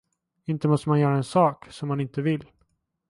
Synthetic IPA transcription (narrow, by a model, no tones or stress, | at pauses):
ɪnt̪əmɔst̪əmanjœːɾaɛnsɑːksɔmːanɪnt̪əvɪlː